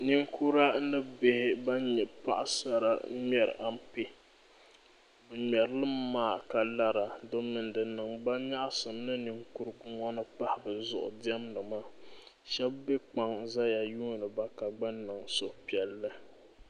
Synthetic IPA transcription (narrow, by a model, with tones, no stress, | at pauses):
ni˦ŋkʰu˦ɾa˦nɨ˦be˦hɪ˦ba˦ɲɛ˨pa˦ʔa̰˦sa˦ɾa˦mɛ˨ɾ̰ʔa˦mpi˦ | bɨ˨ɲɛ˨ɾlɨ˦mːaː˦˨ka˨la˦ɾa˨dʊ˦m˦nɨ˨n˦dɨ˨nɨ˨ŋba˦ɲa˦ʔa˦sɨ˨m˦nɨ˦ni˨ŋku˦ɾɡʊ˦ŋɔ˦nɨ˦pa˦hɪ˨bɨ˨zʊ̰˨ʔʊ̰˨di˦ɛ˦mnɨ˨maː˦˨ | ʃɛ˦bbe˦k͡pa˨ŋza˦ja˨juː˦˨nɨ˨ba˦ka˨ɡ͡ba˦nːɨ˨ŋso˦pi˨ɛ˨lːɨ˦